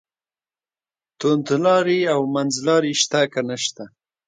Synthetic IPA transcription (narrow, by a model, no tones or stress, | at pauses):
t̪ʊnt̪lɑɾiawmanzlɑɾiʃt̪akanəʃt̪a